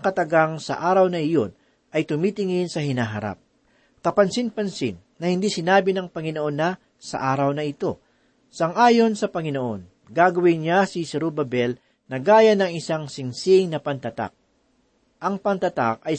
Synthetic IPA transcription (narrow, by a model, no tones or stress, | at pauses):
kɐt̪ɐɡaŋsɐ̰ʔaːɾɐwnɐʔɪjo̞n | ʔɐjt̪ʊmiːt̪ɪŋɪnsɐhɪnaːɦɐɾa̰p̚ | kɐpɐnsɪnpɐnsɪ̰nːɐhɪnd̪isɪnaːbɪnɐŋpɐŋɪnoʔonːɐ | sɐ̰ʔaːɾɐwnɐɪt̪o̞̰ | sɐŋʔaːjo̞nsɐpɐŋɪno̞ʔo̞n | ɡaːɡɐwɪnɲasisɛɾubɐbɛl | nɐɡaːjɐnɐŋɪsaŋsɪnsiŋnɐpɐnt̪ɐt̪a̰k̚ | ʔɐŋpɐnt̪ɐt̪a̰k̚ɐj